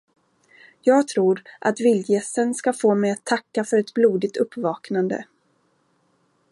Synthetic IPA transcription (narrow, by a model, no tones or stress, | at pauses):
jɑːɡt̪ʰɾuːɾʔa̰t̪vɪljɛsənskafoːmɛjat̪ʰːakːafœɾɛt̪bluːd̪ɪɡt̪ɵpːvɑːknand̪ə̰